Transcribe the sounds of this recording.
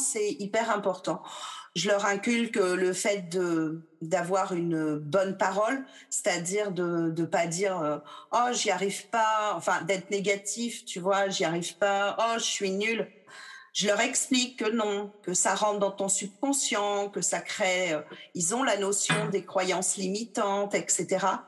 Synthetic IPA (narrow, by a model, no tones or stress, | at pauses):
sɛipɛʁɛ̃pɔʁt̪ɑ̃ʒəlœʁɛ̃kʲylkələfɛt̪̚d̪ə | d̪avwaʁynøbɔnpaʁɔl | se̥t̪ad̪iʁd̪əd̪əpad̪iʁøɔʒiaʁivpaɑ̃fɛ̃d̪ɛt̪χneɡat̪ift̪yvwaʒiaʁivpaɔʒəsɥinyl | ʒ̥əlœʁɛksplikːənɔ̃kəsaʁɑ̃t̪d̪ɑ̃t̪ɔ̃syb̚kɔ̃sjɑ̃kəsakχeøilzɔ̃lanɔsjɔ̃d̪ekχwajɑ̃slimit̪ɑ̃t̪ɛkset̪eʁa